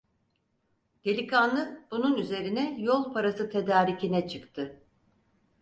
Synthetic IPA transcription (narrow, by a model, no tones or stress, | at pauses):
d̪̥e̞lʲikʰanlˠɯb̥ununyze̞ɾinɛjolˠpʰaɾasɯt̪ʰe̞d̪aːɾicinɛt͡ʃʰɯkt̪ʰɯ